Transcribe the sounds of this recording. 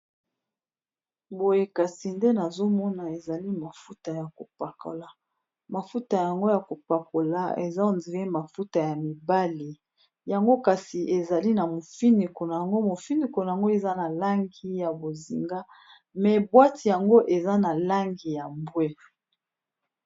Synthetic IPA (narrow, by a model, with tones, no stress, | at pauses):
bo˨je˨ka˨si˨nde˦na˨zo˦mɔ˦na˨e˨za˨li˦ma˨fu˦ta˨ja˨ko˨pa˨ko̰˨la˨ | ma˨fu˦ta˨ja˨ŋɡo˦ja˨ko˨pa˨ko˨la˦ḛ˨za˦o˨nzi˨le˦ma˨fu˦ta˨ja˨mi˨ba˦li˨ | ja˨ŋɡo˦ka˨si˨ʔe˨za˨li˦na˨mo˨fi˦ni˨ko˨na˨ja˨ŋɡo˦mo˨fi˦ni˨ko˨na˨a˨ŋɡo˦e˨za˦na˨la˦ŋɡi˦ja˨bo˨zḭ˨ŋɡa˦ | mɛ˨bwa˦ti˨ja˨ŋɡo˦ʔe˨za˦na˨la˦ŋɡi˨ja˨mbwe˦